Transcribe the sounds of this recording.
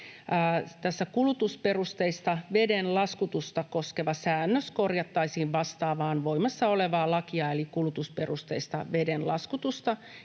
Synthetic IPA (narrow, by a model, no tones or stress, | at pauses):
t̪æsːækulut̪usperust̪eist̪ɑʋedenlɑskut̪ust̪ɑkoskeʋɑsæːnːøskorjɑt̪ːɑisiːʋʋɑst̪ɑːʋɑːnʋoimɑsːɑoleʋɑːlɑkiɑelikulut̪usperust̪eist̪ɑʋedenlɑ̰skut̪ust̪ɑ